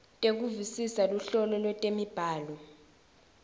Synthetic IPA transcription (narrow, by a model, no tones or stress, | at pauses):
tʼek̬uvisisaluɬɔlɔlwɛtʼemib̥ʱaːlɔ